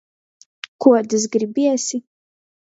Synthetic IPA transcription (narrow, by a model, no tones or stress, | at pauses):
kuɔd̪ɨs̬ɡɾibʲiɛsi